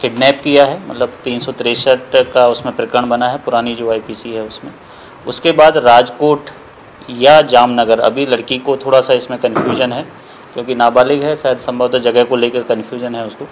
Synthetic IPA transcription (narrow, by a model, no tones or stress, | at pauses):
kɪɖnɛːpkijaɦɛːmɐ̰t̪ləb̚t̪iːnsɔt̪ɾeːsəʈkaʊsmẽpɾɪkɾəɽ̃bɐnaɦɛpʊɾaːnid͡ʒoːaːipiːsiɦɛʊsmẽ | ʊ̰skebaːd̪ɾaːd͡ʒkoːʈ | jad͡ʒaːmnɐɡəɾɐ̰bʱilɐɽkikot̪ʰoːɽasaɪsmẽkɐnfʰjuːʒənɦɛː | kjõːkinaːbaːlɪkɦɛsaːɦɪd̪sɐ̃mbʱəʋd̪ad͡ʒɐɡɛɦkoleːkəɾkɐnfʰjuːd͡ʒənɦɛʊskoː